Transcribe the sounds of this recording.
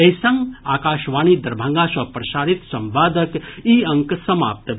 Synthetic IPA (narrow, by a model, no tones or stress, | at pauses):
ɐjsɐŋɡaːkaːʃʋaːniːd̪ɐɾbʱaŋɡaːsɐpɾɐʃaːɾit̪sɐmʋaːd̪əkiːɐŋksɐma̰ːp̚t̪